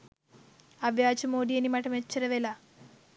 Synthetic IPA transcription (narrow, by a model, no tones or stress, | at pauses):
ɐʋjaːt͡ʃɐmoːɖijɐnimɐʈɐmet͡ʃːɐɾɐʋela